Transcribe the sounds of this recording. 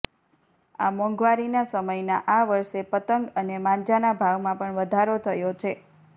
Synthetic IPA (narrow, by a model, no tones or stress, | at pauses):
a̰mɔ̃ŋɡʋaɾinasəməjnaʔaʋəɾʃepət̪əŋɡənemãnd͡ʒanabʱaʋmãpəɳʋəd̪ʱaɾot̪ʰəjot͡ʃʰe